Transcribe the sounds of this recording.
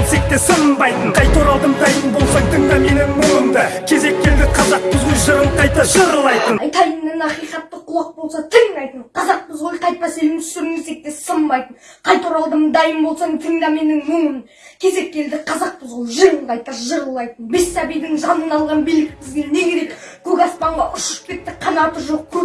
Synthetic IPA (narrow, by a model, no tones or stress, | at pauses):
se̞k̚t̪e̞səmbɑjt̪ənqʰɑjt̪oɾɑlˠd̪əmd̪ɑjəmbo̞lˠsɑjt̪ʰəŋd̪ɑme̞nɪŋmʊŋəmd̪əkʲʰe̞ze̞k̚ʲːe̞ld̪ɪqʰɑzɑq̚pʊzʁojʲˠʒəɾəlˠqʰɑjt̪əʒəɾəlˠɑjt̪ənjt̪ʰɑjəmd̪ɪnɑqijqɑt̪ːəqʰʊlˠɑq̚bo̞lˠsɑt̪ʰɪŋd̪ɑjt̪ənqʰɑzɑq̚pɪzʁojqʰɑjt̪̚pɑse̞lɪmt̪ʰsʏɾmɪse̞k̚t̪e̞səmbɑjt̪ən | qʰɑjt̪uɾɑlˠd̪əmd̪ɑjəmbo̞lˠsɑt̪ʰəŋd̪ɑme̞nɪŋmʊɴən | kʲʰe̞ze̞kʲːe̞ld̪ɪqʰɑzɑq̚pəzʁojˠʒəɾəlˠqʰɑjt̪ɑʒəɾəlˠɑjt̪ənbe̞sːɑbijd̪ɪŋʒɑnənɑlˠʁɑnbijlɪk̚ʲbɪzɡʲe̞ne̞ɡʲe̞ɾekkʲʰɵkʲɑspɑɴʁɑʔʏʃɪ̥ʃpʲe̞t̪ːɪqʰɑnɑt̪əɾʒo̞q̚kʲʰɵ